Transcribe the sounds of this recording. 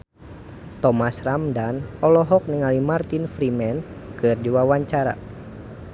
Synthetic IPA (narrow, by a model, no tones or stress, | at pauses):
t̪ɔmasramdanɔlɔɦɔk̚niŋalimart̪infɾimɛn | kɨrdiwawaɲt͡ʃaɾa̰